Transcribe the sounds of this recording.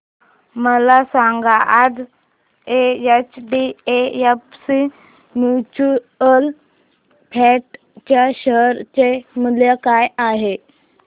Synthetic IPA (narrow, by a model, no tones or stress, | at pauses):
məlasãŋɡaʔːd͡z | eet͡ɕɖieepsi | njut͡ɕu | əl | pʰɛʈ | t͡ɕjaɕəɦɾt͡ɕeməljakajaɦe